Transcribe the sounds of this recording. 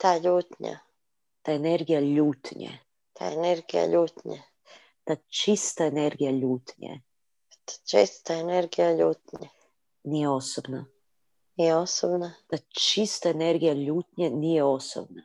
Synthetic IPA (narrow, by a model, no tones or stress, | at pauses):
t̪aːʎuːt̪ɲa̰ | t̪aeneɾɡijaʎuːt̪ɲḛ | t̪ʰa̰eneɾɡija̰ʎuːt̪ɲe | t̪at͡ʃist̪aeneɾɡijaʎuːt̪ɲḛ | t̪ḁt͡ʃist̪aeneɾɡijaʎuːt̪ɲe | nijeosobna | nijeosobnat̪at͡ʃist̪aeneɾɡijaʎuːt̪ɲenijeo̞so̰b̚na